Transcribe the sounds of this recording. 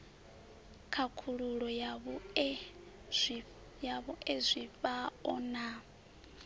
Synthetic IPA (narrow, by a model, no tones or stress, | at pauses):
kʰakʰuɺuɺɔaβ | jaβɔʔezʷiɸaɔna